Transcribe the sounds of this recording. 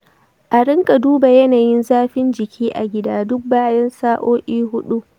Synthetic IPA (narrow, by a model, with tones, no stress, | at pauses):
ʔa˨ɽɪ˦ŋkʼa˨duː˦ba˨jɐ˦naː˨jɪ˦nzaː˦ɸɪ˦nd͡ʒɪ˨kʲʰiː˦ʔa˨ɡʲɪ˦daː˦dʊ˦k̚baː˦jɐ˦nsaː˦ʔoː˦ʔʲʼiː˦hʊ˦ɗu˦